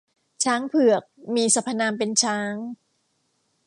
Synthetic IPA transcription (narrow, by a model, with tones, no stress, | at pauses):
t͡ɕʰaː˦˥ŋpʰɯ˨˩ək̚miː˧sa˧pʰːa˧naː˧mpe˧nt͡ɕʰaː˦˥ŋ